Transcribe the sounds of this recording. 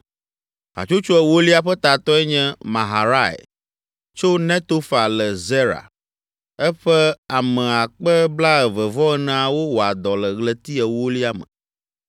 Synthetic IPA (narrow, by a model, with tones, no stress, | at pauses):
a̰˨t͡ʃo˦t͡ʃo˦ɛ˦wo˦li˦a˨ɸɛ˦t̪a˨t̪ɔ˦ɛ˦ɲɛ̃˦mã˨ɦa˨ɾa˦˨ḛ˨ | t͡ʃo˦nɛ̃˦t̪o˦fa˨lɛ˨zɛ˦ɾa̰˨ | ɛ˦ɸɛ˦a˨mɛ̃˨a˨k͡pə˦bla˦ɛ˨və˨vɔ˦ɛ˦nã˦a˨wo˦wo˨a˨d̪ɔ˨lə˨ɣlə˨t̪i˦ɛ˨wo˦li˦a˦mə̰̃˨